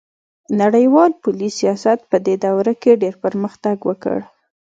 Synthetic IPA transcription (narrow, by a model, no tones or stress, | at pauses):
naɽəjwɑlpulisijɑsat̪̚pəd̪ed̪awɾakeɖeɾpəɾməxt̪aɡwəkə̰ɽ